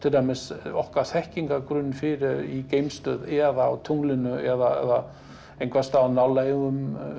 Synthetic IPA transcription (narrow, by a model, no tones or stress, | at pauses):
t̪ʰɪlt̪amɛsɔhkaθɛhciŋkakɾʏnːɪfɪɾɪɾicejmst̪œːðɛðawt̪ʰuŋlɪnʏɛðaɛ̰ða | ejnkʰvast̪aːnawlaɣʏm